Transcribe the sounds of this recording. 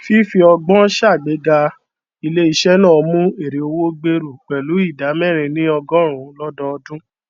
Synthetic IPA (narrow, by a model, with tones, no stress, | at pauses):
fi˦fi˧ɔ˧ɡ͡bɔ̃˦ʃa˦˨ɡ͡be˨˦ɡa˧ | i˧le˦i˦˧ʃɛ˦nãː˦˨˧mũ˦e˨ɾe˨o˧wo˦ɡ͡be˧ɾu˨k͡pɛ˨lu˨˦i˦˨da˨˦mɛ˦˨ɾ̃ĩ˧nĩ˦ɔ˧ɡɔ̃˦ɾ̃ũ˨˦lɔ˦dɔ˧ɔ˧dũ˦